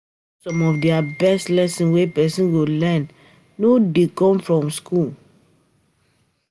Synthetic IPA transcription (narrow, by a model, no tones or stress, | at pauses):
sɔ̃mɔfdiabɛstlɛsĩnwepɛsĩnɡolɛnː | odekɔ̃mfɹɔ̃mskul